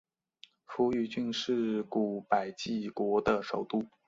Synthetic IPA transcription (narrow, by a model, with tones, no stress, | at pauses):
fu˧˥y˧˥t͡ɕy˥˧nʂɻ̩˥˩ku˨˩pa˨˩ɪt͡ɕi˥˩kwɔ˧˥d̪ə˧ʂo˨˩ʊt̪u˥˩